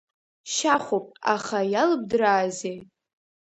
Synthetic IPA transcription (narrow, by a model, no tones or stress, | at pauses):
ʃaχʷopʼa̰χajalɨb̚dɨɾaːzej